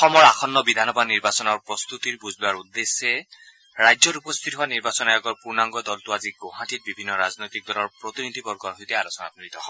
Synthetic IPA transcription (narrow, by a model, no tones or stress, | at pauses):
xɔmɔɹaxʰɔnːɔbid̪ʱanɔbaniɹbasɔnɔɹpɹɔst̪utiɹbuzlʊaɹud̪ːesɛ | ɹajzɔtupɔst̪ʰitɦʊaniɹbasɔnajɔɡɔɹpuɹnaŋɡɔdɔltʊaziɡoɦãtit̚bibʱinːɔɹaznojt̪ik̚dɔlɔɹpɹɔt̪inid̪ʱibɔɹɡɔɹɦojtɛalɔsɔna̰tuit̪ɔhɔ